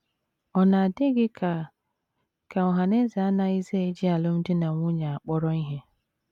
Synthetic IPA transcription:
ɔ˨na˨a˨de˦ɡɪ˦ka˨ | ka˨ɔ˨ɦa˨ne˦za˨a˦na˦i˦ze˦e˦d͡ʒɪ˦a˨lʊ˦m̩˦dɪ˦na˨ŋʷʊ˦ɲa˨a˨k͡pɔ˦ɾɔ˦i˦ɦe˦

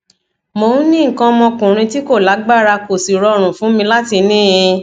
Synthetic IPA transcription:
mõ˨˦nĩ˦ŋ̩˨kã˧mɔ̃˧kũ˨ɾ̃ĩ˧ti˦ko˦˨la˨˦ɡ͡ba˦˨ɾa˧ko˨si˨ɾɔ˧˨ɾ̃ũ˨fũ˨˦mĩ˧la˦ti˧nĩː˦jĩ˧

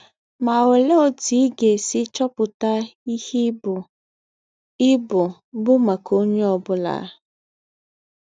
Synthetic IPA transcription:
ma˨we˨le˦o˨ti˨˦ɡe˨sɪ˦t͡ʃɔ˦pʊ˨ta˦i˦hi˦bʊ˨ | ɪ˦bʊ˨ | bʊ˦ma˨ko˦ɲe˦ɔ˨bʊ˦la̰˨˦˨

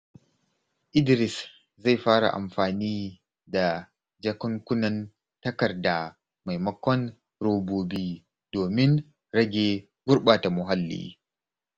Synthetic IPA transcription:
ʔɪ˦dɪ˨ɾɪ˨s | za˦˨jɸaː˦ɽa̰˨ʔa̰˨mɸaː˨niː˦ | da˨ | d͡ʒɐ˦kɐ˦ŋkʷʊ˦nɐ˨n | tɐ˦kɐ˨rda˨ | ma˨jmɐ˦kʷɔ˦n | ɾoː˦boː˦biː˦ | d̥oː˨mɪ˦ŋ | ɾɐ˦ɡʲeː˨ | ɡʊ˦ɾɓa˨ta˨mʊ˨ɦa˦lːḭː˦

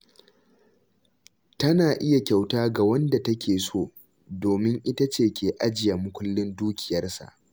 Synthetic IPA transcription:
tɐ˦naː˨ʔɪ˦ja˨kʲa˨wtaː˦ɡa˨wɐ˦nda˨tɐ˦kʲeː˨soː˦˨ | doː˨mɪ˦ŋʔɪ˦ta˦t͡ʃeː˦˨kʲʰeː˨ʔa˦d͡ʒɪ˨ja˨mʊ˦kʷʊ˦lːɪ˦nduː˦kʲʰɪ˨jɐ˦rsa̰˨ʔ

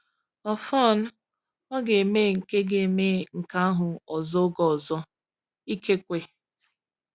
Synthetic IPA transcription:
ɔ˨fɔ˦˨n̩˦ | ɔ˦ɡe˨e˨meː˦˨ŋ̩˨ke˦ɡe˨me˦˨ŋ̩˨ka˦a˦ɦʊ˨ɔ˨zɔ˦ɡɔ˨zɔ˦ | i˦ke˦kʷe˨

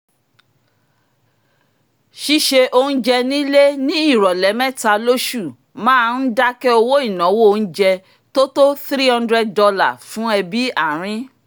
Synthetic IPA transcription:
ʃi˦ʃe˧ʔo˧nũ˦d͡ʒɛ˧nĩ˦le˦nĩ˦i˦˨ɾɔ˨lɛ˨˦mɛ̃˦˨ta˧lo˦ʃu˦˨ | mãː˦˧˦n̩˦da˦kɛ˦o˧wo˦i˦˨nã˨˦wo˦o˧ñ̩˦d͡ʒɛ˧ | to˦to˦θɾi˦hã˦ndɾɛ˦ddɔ˧la˦˨fũ˨˦ɛ˧bi˦a˦˨ɾ̃ĩ˨˦

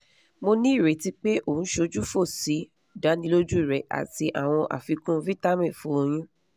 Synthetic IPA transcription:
mo˧nĩ˦i˦˨ɾe˨˦ti˦k͡pe˦ʔo˦˨ũ˨˦ʃo˧d͡ʒu˦fo˦˨si˨˦˨ | da˨˦nĩ˧lo˦d͡ʒu˦i˦˨ɾɛ˨ʔa̰˨ti˧ʔa̰˨w̃ɔ̃˧ʔa̰˨fi˧kũ˦˧˦vi˦ta˦mĩ˦˨fũ˦o˧j̃ĩ˦

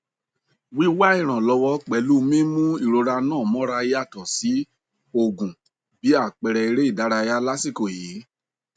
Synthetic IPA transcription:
wi˦wa˦i˦˨ɾ̃ã˨lɔ˧wɔ˧k͡pɛ˨˦lu˦˧mĩ˦mũ˦i˦˨ɾo˧ɾa˧nãː˦˨mɔ̃˨˦ɾa˧ji˦a˦˨tɔ˨si˨˦ | o˧˨ɡũ˨ | bi˨˦a˦˨k͡pɛ˧ɾɛ˧i˧ɾe˦i˦˨da˨˦ɾa˧ja˦la˦si˦˨ko˨jiː˨˦

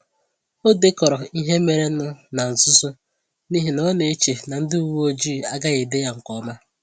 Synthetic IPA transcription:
o˦de˦kɔ˨ɾɔ˨i˦ɦe˦me˨ɾe˦ʊ˦na˨n̩˨sʊ˦so˦ | ni˦ɦi˨nɔ˦ne˨e˦t͡ʃe˨na˨n̩˦dɪ˦u˨wo˦d͡ʒiː˦˨a˦ɡa˦ɣe˨de˦ja˦ŋ̩˨kɔ˦ma˦

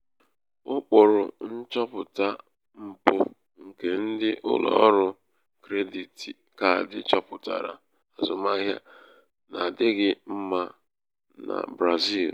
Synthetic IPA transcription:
ʊ˦k͡pʊ˨ɾʊ˨n̩˦t͡ʃɔ˦pʊ˨ta˦ | m̩˨pʊ̰˦ | ŋ̩˨ke˨n̩˦dɪ˦ʔʊ˦lɔ̰˦˨˦ɾʊ˦ | kɾe˦di˨ti˨ | ka˦a˨dɪ̰˦t͡ʃɔ˦pʊ˨ta̰˨ɾa̰˨ | a˨zʊ˨ma˦ɦja˦ | na˨dɪ˦ɡɪ˦m̩˦ma˦ | na̰˨bɾa˨zi˦˨l

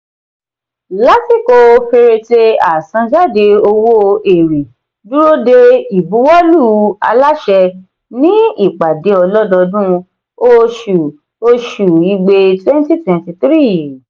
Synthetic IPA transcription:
la˦ti˦˨ko˧fe˧ɾe˧te˧a˨sã˧d͡ʒa˦˨de˧o˧wo˦e˨ɾi˨ | du˦ɾo˦de˧i˨bu˨˦wɔ˦lu˦a̰˧la˦ʃɛ˧ | nĩ˦i˦˨k͡pa˨de˨˦ɔ˧lɔ˦dɔ˧dũ˦ | o˦ʃu˨ | o˧ʃu˨i˧ɡ͡be˧twɛ˦n˦ti˦twɛ̃˨n˦ti˧t̪ɾi˦˨

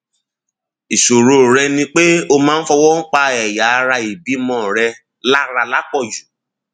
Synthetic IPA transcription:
i˨ʃo˨ɾo˨ɾɛ˧nĩ˧k͡pe˦o˧mãː˦n̩˦fɔ˧wɔ˦ŋ̩˦k͡pa˧ɛ˨ja˨˦˧ɾa˧i˨bi˨˦mɔ̃˦˨ɾɛ˧ | la˦ɾa˧la˦k͡pɔ˦˨d͡ʒu˨

